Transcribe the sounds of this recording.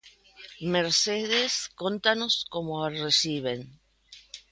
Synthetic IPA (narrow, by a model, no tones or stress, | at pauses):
meɾseðeskont̪ano̞skomoaresiβen